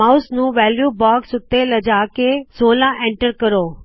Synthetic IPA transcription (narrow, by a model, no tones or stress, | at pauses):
aʊsnũːʋɛːljuːbɔːksʊt̪ːelɐd͡ʒaːkesoːlãʔẽɳʈəɾkəɾoː